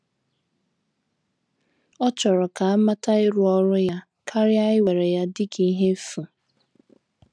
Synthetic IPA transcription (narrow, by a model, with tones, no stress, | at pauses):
ɔ˦t͡ʃɔ˨ɾɔ˨ka˨a˦ma˦ta˦ɪ˦ɾʊ˦ɔ˦ɾʊ˦ja˦ | kʰa˦ɾja˦ɪ˦we˨ɾe˨ja˦dɪ˦kʰi˦ɦe˦fu˨